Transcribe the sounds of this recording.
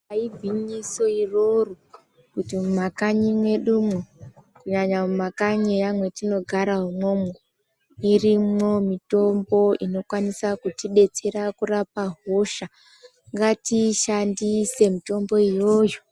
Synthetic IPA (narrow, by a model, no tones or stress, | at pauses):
aibʱiɲiso̞iro̞ru | kutimakaɲimwe̞ɗumwekuɲaɲaumakaɲeamwe̞tino̞ɡʱaɾaɦumo̞m | irimo̞mito̞mbo̞ino̞kwanisakutiɗe̞t͡se̞ɾakurapaɦo̞ʃa | ŋɡatiʃandise̞mito̞mbo̞ijo̞ːjo